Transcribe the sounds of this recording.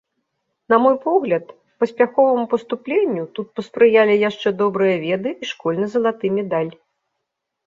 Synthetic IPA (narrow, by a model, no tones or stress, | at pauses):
nɐmɔjpɔɣlʲɐt̪ | pɐsʲpʲaxɔvɐmupɐst̪uplʲenʲːut̪ut̪̚pɐspɾɨjalʲijaʂt͡ʂɛd̪ɔbɾɨjɐvʲɛd̪ɨiʂkɔlʲnɐzɐlˠat̪ɨmʲɛd̪alʲ